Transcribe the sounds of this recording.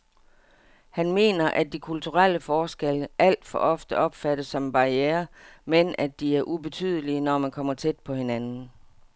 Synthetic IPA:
hænme̝̰ːnɐʔæd̥ikʰult͡sʰuʁal̰əfɒːsɡ̥eləʔæl̰d̥fɒ̽ʔɒ̽fd̥əʔɒ̽b̥fæd̥əsːɒ̽mb̥ɑ̈ieːɐmenʔæd̥iæɐʔub̥e̝t͡sʰy̰ːð̞̰ˠəliənɒmænkʰɒ̽m̰ɐt͡sʰed̥̚pʰɒ̽he̝nænn̩n̩

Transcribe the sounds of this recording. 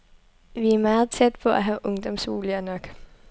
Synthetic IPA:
ʋiæɐmɑ̈ːð̞̩ˠt͡sʰed̥̚pʰɒ̽ʔæɦæʔɔ̽ŋd̥ɒ̽msʋo̝̰ːliɐnɒ̽ɡ̥

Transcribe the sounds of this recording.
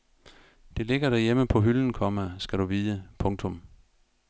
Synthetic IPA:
d̥e̝le̝ɡ̥ɐɾ̥æɐjeməpʰɒ̽ɦyln̩kʰɒ̽mæsɡ̥æɾuʋiːðəpʰɔ̽ŋt͡sʰɔ̽m

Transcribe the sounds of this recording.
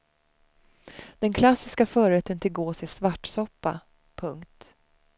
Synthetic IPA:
d̪̥ɛnkʰlasːɪskafœːɾɛt̪ːənt̪ʰɪlɡoːsɪsvaʈːsɔpːa̰ | pʰɵŋkt̪

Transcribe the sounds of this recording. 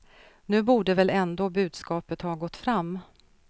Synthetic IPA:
nʉ̟ːbuːɖəvɛlɛnd̪oːbʉ̟ːd̪skɑːpət̪hɑːɡɔt̪ːfɾamː

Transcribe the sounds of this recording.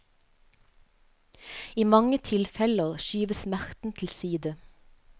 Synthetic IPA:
iːmɑŋət̪ʰɪlfɛləʁʃyːʋəsmæʁt̪n̩t̪ʰl̩siːd̪ə

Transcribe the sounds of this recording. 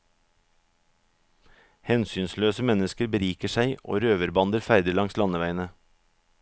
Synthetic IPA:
hɛnsyːnsløːsəmɛnəskəɾbəɾiːkəʃæɪʔo̰ːɾøːʋəɾbɑnd̪əɾfæɪd̪əlɑŋslɑnəʋæɪnə

